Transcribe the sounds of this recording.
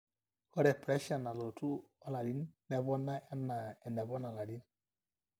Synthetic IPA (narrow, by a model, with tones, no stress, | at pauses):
kɔ˦ɾɛ˨pɾɛ˦ʃa˨na˨lo˨tu˦ɔ˦la˨ɾi˦nnɛ˨βɔ˦na˦ɛ˦na˨ɛ˨nɛ˨βɔ˦na˨la˨ɾi˦n